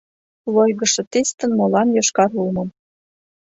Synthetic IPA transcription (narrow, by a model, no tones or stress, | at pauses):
lojɣɤ̆ʃɤ̆t̪est̪ə̆nmolɑnjɑʃkɑɾulmɤ̆m